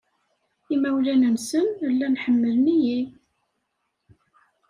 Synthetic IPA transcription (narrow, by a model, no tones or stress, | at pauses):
imæwlænənsənəlːænħəmːəlniji